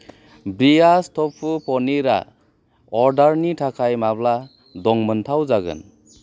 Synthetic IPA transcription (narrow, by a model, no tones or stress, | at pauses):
bɾiastʰɔpʰːupʰɔniɾa̰ | ɔɾdaɾnitʰakʰajmabla | dɔŋmɯntʰawzaɡɯ̰n